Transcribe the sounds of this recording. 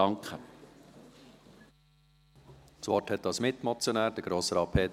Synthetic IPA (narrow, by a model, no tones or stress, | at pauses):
ɑŋkχə | t͡sʋɔʈthɛt̚dɑsmɪt̪mɔt͡sjonæːɾd̥əɡ̥ɾoːsəɾɑːpʰeːt